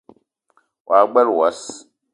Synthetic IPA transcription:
wʔa˨ɡ͡bɛ˦lwa˦s

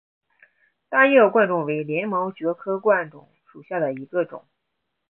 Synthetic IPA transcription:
t̪a˥jɛ˥˩kwa˥˧nʈ͡ʂʊ˥˩ŋwe˧˥ɪljɛ˧˥nmɑ˧˥ʊt͡ɕɥɛ˧˥kʰɤ˥kwa˥˩nʈ͡ʂʊ̰˨˩˦ŋʂu˨˩ɕja˥˩d̪ə˩i˧˥ɡə˧ʈ͡ʂʊ̰˨˩˦ŋ

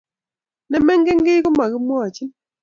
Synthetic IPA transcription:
nɛ˦mɛ˦ŋ˦ɡe˦ŋ˦ɡe˦ko˦ma˨kɪ˦mwɔ˦a˨t͡ʃi˦n

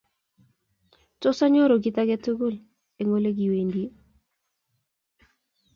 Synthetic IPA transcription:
tɔ˦sa˦ɲo˦ɾo˨ɡɪ˦ta˦ɡɛ˦tu˦ɡʊ˦l | e˨ŋo˦le˦ɡi˨we˨ndi˦e˦

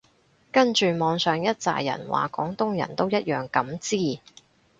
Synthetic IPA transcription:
kɐ˥nt͡ʃyː˨mɔː˨˧ŋsœː˨ŋjɐ˥t̚t͡sa̰ː˨jjɐ̰˨˩nwa̰ː˨kɔː˨˥ŋt̪ʊ˥ŋjɐ̰˨˩nt̪o˥wjɐ˥t̚jœː˨ŋkɐ˨˥mt͡siː˥˩

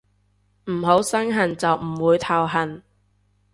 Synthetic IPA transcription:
m̩˨˩ɦo˨˥wsɐ˥ŋɦɐ˨˩nt͡sɐ˨wm̩˨˩wuː˨˧jt̪ʰɐ˨˩wɦɐ˨˩n

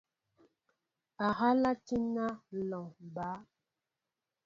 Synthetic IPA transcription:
a˨ɣa˦la˦ti˦na˦lɔ˨ŋ˨ba˨˦

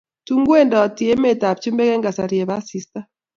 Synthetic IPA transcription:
tu˦ŋɡwɛ˦nda˨ɔ˨ti˨ɛ˦mɛ˦˨ta˨pt͡ʃi˦mbɛ˦kɛ˦ŋɡa˨sa˨ɾi˨ɛ˨βa˦si˦sta˦

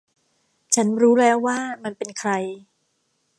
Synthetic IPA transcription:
t͡ɕʰa˦˥nɾuː˦˥lɛː˦˥wːaː˥˩ma˧npe˧nkʰɾa˧j

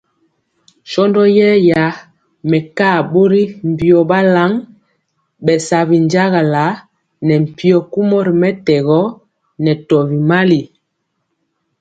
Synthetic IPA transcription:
ʃɔ˦ndɔ˦jɛ˦ja˨˦ | mɛ˨ka˦˨ɓo˦ɾi˦m̩˨pi˨ɔ˨ba˦la˦ŋ | ɓɛ˨sa˨βi˨n˦d͡ʒa˦ɣa˨la˨˦ | nɛ˨m̩˨pi˦ɔ˨ku˦mɔ˦ɾi˨mɛ˦tɛ˨ɣɔ˦ | nɛ˨tɔ˨vi˨ma˦li˨

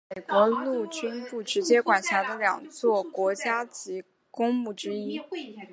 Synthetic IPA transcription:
me˨˩ɪkwɔ˧˥lu˥˩t͡ɕy˥npu˥˩ʈ͡ʂɻ̩˧˥t͡ɕjɛ˥kwa˨˩nɕja˧˥d̪ə˧ljɑ˨˩ŋt͡swɔ˥˩kwɔ˧˥t͡ɕja˥t͡ɕi˧˥ | kʊ˥ŋmu˥˩ʈ͡ʂɻ̩˥i˥

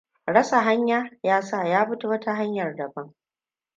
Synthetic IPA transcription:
ɽɐ˦sa˨ɦa˦ɲjaː˦jaː˦saː˦˨jaː˦ɸʊ˦tu˦wɐ˦ta˦ɦa˦ɲjɐ˨rdɐ˨bɐ˦ŋ

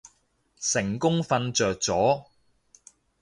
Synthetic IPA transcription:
sɪ˨˩ŋkʊ˥ŋfɐ˧nt͡sœː˨k̚t͡sɔː˨˥

